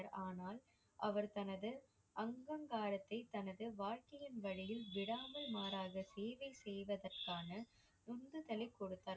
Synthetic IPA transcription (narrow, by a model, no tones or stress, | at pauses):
ɾaːnaːl | ʔɐʋɐɾt̪ɐnɐðɯ | ʔɐŋɡɐŋɡaːɾɐt̪ːɐɪt̪ɐnɐðɯʋaːɻkɐjɪnʋɐɻɪjɪlʋɪɽaːmɐlmaːɾaːɣɐseːʋɐɪsɛjʋɐðɐrkaːnɐ | nʊnd̪ɯt̪ɐlɪkːɔɽɯt̪ːaːɾ